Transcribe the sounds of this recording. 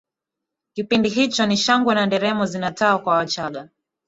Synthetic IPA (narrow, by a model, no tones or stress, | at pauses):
kipindiɦit͡ʃɔniʃaŋɡwɛnandɛɾɛmɔzinataakwawat͡ʃaɠa